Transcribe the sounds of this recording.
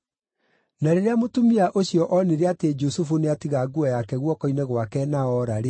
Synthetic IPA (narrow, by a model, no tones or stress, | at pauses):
naɾeɾeamotumiaʔoɕjɔʔɔneɾeated͡ʒusufuneatiɣaɡuɔjakɛɣwɔkɔinɛɣwakɛnaɔɾaɾe